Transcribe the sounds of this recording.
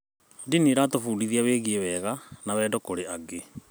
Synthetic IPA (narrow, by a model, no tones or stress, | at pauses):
diniɾatofuːdiðiaweɣiewɛːɣanawɛːdɔkoɾeaɡe